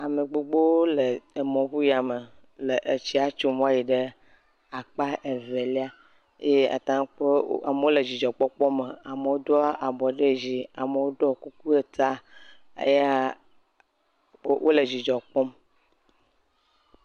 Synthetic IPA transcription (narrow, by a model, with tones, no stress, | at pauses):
a˨me˨ɡ͡bo˨ɡ͡bo˦wo˦le˨e˨mɔ̃˨βu˦ja˨me˨ | le˨ʔe˨t͡ɕi˦a˦t͡ʃo˦mɔ̃˦a˦ji˨ɖe˦ | a˨k͡pa˦ʔe˨ve˨li˦a˦ | e˦a̰˨t̪ã˦k͡pe˦a˨me˨wo˦le˨d͡ʑi˨d͡ʒɔ˨k͡pɔ˦k͡pɔ˦me˨a˨me˨wo˦d̪o˦a˦ʔa˨bɔ˨ɖe˦d͡ʑi˨a˨me˨wo˦ɖɔ˦ku˦k̚u˦e˦t̪a˦ | ḛ˦ja˦ | wʔo˦le˨d͡ʑi˨d͡ʒɔ˨k͡pɔ˦m